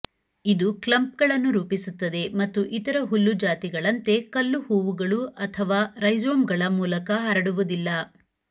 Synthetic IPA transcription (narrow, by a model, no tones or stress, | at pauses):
id̪uklɐmp̚ɡɐɭɐnːuɾuːpisut̪ːɐd̪e̞mɐt̪ːuʔit̪ɐɾɐɦulːud͡ʒaːt̪iɡɐɭɐnt̪e̞kɐlːuhuːʋuɡɐɭuɐt̪ʰɐʋaːɾɐjd͡ʒoːmɡɐɭɐmuːlɐkɐɦɐɾɐɽuʋud̪ilːɐ